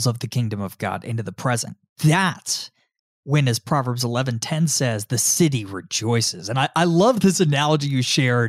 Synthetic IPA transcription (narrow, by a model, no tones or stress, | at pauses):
zʌvðɨkʰɪ̃ŋdɨ̃mʌvɡɑ̰ɾɪ̰̃ntʉðəpʰɹ̥ɛzɨ̰̃n | ðɨts | wɨ̃nɨz̥pʰɹ̥ɑvə˞bzəlɛvɨ̃ntʰɛ̃nsɛzðɨsɪɾiɹɪd͡ʒɔɪsɨzɨ̃naɪʔaɪlʌvðɪsɨnælˠəd͡ʒijɨʃɛɹ